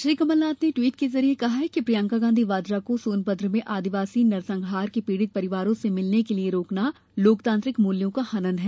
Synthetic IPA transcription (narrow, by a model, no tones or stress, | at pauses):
ʃɾiːkɐməlnaːt̪neʈʋiːʈkezɐɾiekɐɦaɦɛkipɾijãːŋkaɡãːnd̪ʱiʋaːd̪ɾakosoːnpəd̪ʱɾəmẽʔaːd̪iʋaːsinɐɾsɐ̃ŋɡʱɦaːɾkipiːɽɪt̪̚pɐɾɪʋaːɾõsemɪlnekelieɾoːkna | loːkt̪ãːnt̪ɾɪkmuːljõkahɐnənɦɛː